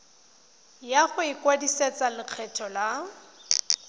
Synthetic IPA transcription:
jaχʊɪkwadiset͡salɪq͡χʰɛtʰɔla

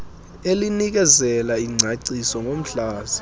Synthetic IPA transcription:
elinik̬ɛzɛlaiŋ͡ǀʱaǀisɔŋʱom̩ɬaːzi

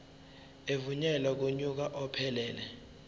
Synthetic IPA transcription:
evuɲɛlak̬uɲuk̬aʔɔpʰɛlɛːlɛ

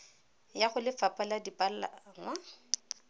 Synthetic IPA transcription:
jaχʊlɪfapʼaladipʼal̩la̰ŋ̩wa

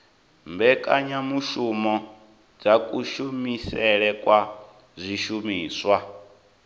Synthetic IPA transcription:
mbɛkʼaɲamuʃumɔ | d͡zakʼuʃumisɛɺɛkʼwa | zʷiʃumiːswa

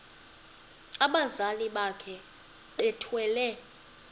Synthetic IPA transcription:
aɓazaliɓakʰɛ | ɓɛtʰwɛːlɛ

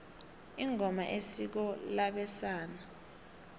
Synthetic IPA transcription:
iŋʱɔmaʔesik̬ɔlaɓɛsaːna

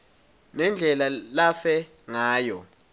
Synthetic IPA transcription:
nɛnd͡ɮʱɛlalafɛ | ŋaːjɔ

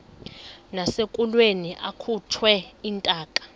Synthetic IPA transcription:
nasekʼulweniʔakʰutʰwɛintʼaːkʼḁ

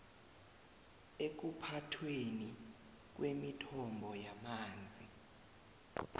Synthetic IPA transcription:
ek̬upʰatʰweni | k̬wemitʰɔmbʱɔjamaːnd͡zʱi

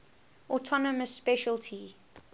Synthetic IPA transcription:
ʔɔtʰɔnəməsːpɛʃəltʰi

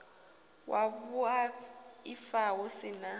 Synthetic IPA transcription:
wʔaβuaifawosina

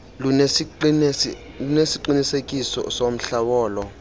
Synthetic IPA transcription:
lunesiǃinisekʼisɔ̰som̩ɬawɔːlɔ

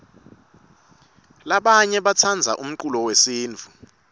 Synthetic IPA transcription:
laɓaɲɛɓat͡sʰand͡zʱa̰ʔum̩ǃulɔwesiːnd͡vʱu

